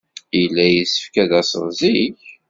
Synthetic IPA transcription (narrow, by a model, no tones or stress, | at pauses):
ilːæjisə̥fkæðæsənziç